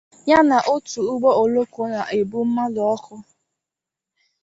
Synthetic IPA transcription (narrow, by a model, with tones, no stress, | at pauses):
ɲa˦na˨ʔo˦tu˨u˦ɡ͡bɔ˦o˨lo˦ko˨˦na˨ʔe˨bu˦m̩˦ma˦lɔ˨ɔ˦kʊ˦